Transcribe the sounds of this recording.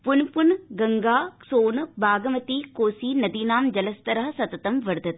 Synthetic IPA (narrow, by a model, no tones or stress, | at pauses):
pʊnpʊnɡɐŋɡaːsoːnbʱaːɡɐmɐt̪ikoːsiːnɐd̪iːnaːmd͡ʒɐlɐst̪ɐɾɐɦɐsɐt̪ːɐt̪ɐmʋɐɾɯd̪ɐt̪